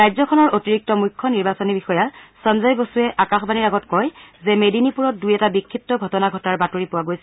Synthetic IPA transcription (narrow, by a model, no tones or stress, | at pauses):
ɹajzɔkʰɔnɔɹotiɹik̚tɔmujkʰːɔniɹbasonibixɔjasɔnzajbosuɛʔakaxbaniɹaɡɔtkɔjzɛmedinipuɹɔt̚dujɛtabikʰːip̚tɔɡʱɔtɔnaɡʱɔtaɹbatoɹipʊwaɡojsɛ